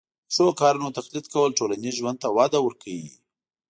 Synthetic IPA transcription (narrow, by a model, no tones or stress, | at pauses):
səwokɑɾunot̪axlit̪kawəlʈolaniʒwand̪̚t̪awɑd̪awəɾkʰawḭ